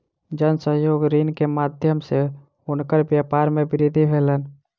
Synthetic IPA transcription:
d͡ʒənsəɦjoːɡɾinkemad̪ʱjəmse | ʊnkəɾbjapaɾmebɪɾid̪ʱibʱelən

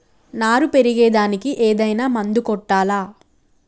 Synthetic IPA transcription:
naːɾupe̞ɾiɡɛːd̪aːnikiʔeːd̪ɐjnaːmɐnd̪ukɔʈːaːlaː

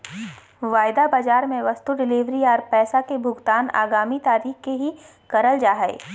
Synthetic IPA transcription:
ʋaːɪd̪abaːd͡ʒaːɾmẽʋɐst̪uɖɪliːʋɾiɔːɾpɛːsakebʱʊɡt̪aːna̰ːɡaːmit̪aːɾiːxkeɦi | kɐɾəld͡ʒaːɦɛɪ

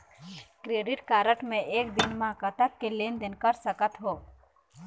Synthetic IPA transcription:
kɾeːɖɪʈkaːɾəʈmẽʔeːk̚d̪ɪnmãːkət̪əkːeleːnd̪ɪnkɐɾsəkət̪ɦoː

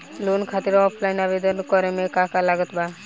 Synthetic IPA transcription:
lonkʰat̪iɾɔpʰlajnabed̪ɔnkɔɾemekakalaɡət̪ba

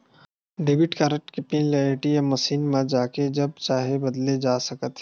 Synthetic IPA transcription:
ɖɪbɪʈkaːɾək̚ʈkɪpĩnleʈijəmɐsiːnmãd͡ʒaːked͡ʒɐb̚t͡ʃaːɦebɐd̪led͡ʒaːsɐkət̪ː

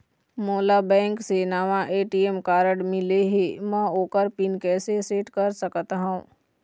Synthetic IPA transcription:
moːlabɛ̃ːŋksenaːʋãʔeːʈiemkaːɾəɽmɪleɦemɛ̃oːkəɾpɪnkɛːseseːʈkəɾsəkt̪aɦũː

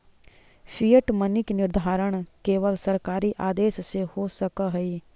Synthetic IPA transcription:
pʰiːəʈmənɪknɪɾd̪ʱaːɾəɽ̃keːʋəlsəɾkaːɾiʔaːd̪eːssehoːsəkaɦəiː

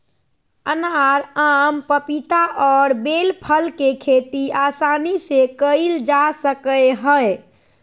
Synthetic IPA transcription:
ənaɾampəpit̪aʔɔːɾbelpʰəlkekʰet̪iasanisekəɪld͡ʒasəkəeɦə

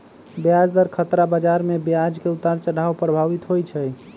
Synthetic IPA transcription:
bjad͡ʒd̪əɾkʰət̪ɾabad͡ʒaɾmebjad͡ʒkeut̪aɾt͡ʃəɽawpɾəbʱaʋit̪ɦojt͡ʃʰɛj

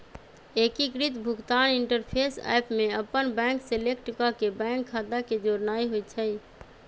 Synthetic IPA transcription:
ekikɾit̪bʱuɡt̪aniɳʈəɾpʰesa̰jpʰmeəpənbɛ̃ŋkselekʈukakebɛ̃ŋkʰːad̪aked͡ʒoɾnaiɦoj̪t͡ʃʰəj

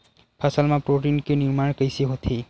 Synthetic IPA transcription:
pʰasalmapɾoʈinkeniɾmaɽkəjsiɦot̪ʰi

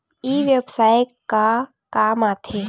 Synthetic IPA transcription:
iːʋjəbsaːjkːa | kaːmaːt̪ʰeː

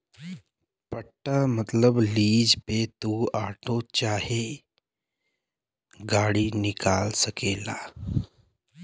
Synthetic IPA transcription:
pəʈːamət̪ləbliːd͡ʒpet̪uaːʈʰot͡ʃaːɦe | ɡaːɽinɪkaːlsəkeːlaː

